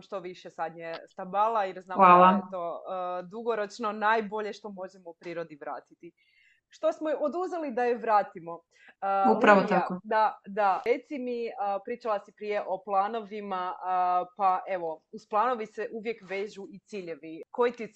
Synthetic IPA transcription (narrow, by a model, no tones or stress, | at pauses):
mʃt̪o̞ʋiʃesad̪ɲʲjest̪abalˠajeɾznaːʋaːlˠat̪od̪uɡo̞ɾo̞t͡ʃno̞najbo̞ʎe̞ʃt̪o̞mo̞ʒemoupɾiːɾo̞d̪iʋɾa̰ːt̪i̥t̪i | ʃt̪o̞smoʔod̪uzelid̪ajeʋɾaːt̪imo̞ | upɾaʋot̪akod̪ad̪aɾet̪simiəpɾiːt͡ʃalˠasipɾije̞ʔo̞plˠaːno̞ʋimaəpaʔe̞ʋo̞usplˠaːno̞ʋiseʔuʋjekʋe̞ːʒuit̪siːʎe̞ʋiko̞jit̪i